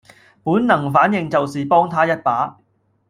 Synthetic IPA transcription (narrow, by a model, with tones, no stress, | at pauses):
puː˨˥nnɐ˨˩ŋfaː˨˥njɪ˨ŋt͡sɐ˨wsiː˨pɔː˥ŋt̪ʰaː˥jɐ˥t̚paː˨˥